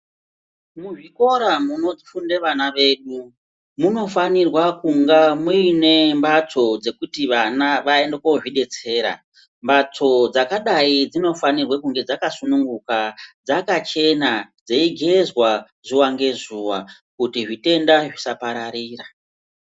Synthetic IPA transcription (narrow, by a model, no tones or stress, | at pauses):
muʐiko̞ɾamuno̞d͡zifundeʋanaʋe̞ɗu | muno̞fanirwakuŋɡamuine̞mbat͡sʰo̞d͡ze̞kutiʋanaʋaendekoʐiɗe̞t͡se̞ːɾa̰ | mbat͡so̞d͡zakaɗaid͡zino̞fanirwakuŋɡe̞d͡zakasunuŋɡukad͡zakat͡ʃe̞nad͡zeiɡʱe̞zwa | z̥uwaŋɡe̞zuːwa | kutiʐite̞ndaʐisapaɾaɾiːra